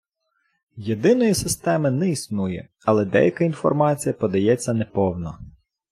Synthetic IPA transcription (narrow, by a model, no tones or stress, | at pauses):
jed̪ɪnɔjisɪst̪ɛmɪnɛisnujɛ̰ | ɐlˠɛd̪ɛ̰jɐkɐinfɔ̰rmɑt͡sʲijɐpɔd̪ɐjɛt͡sʲːɐnɛpɔwnɔ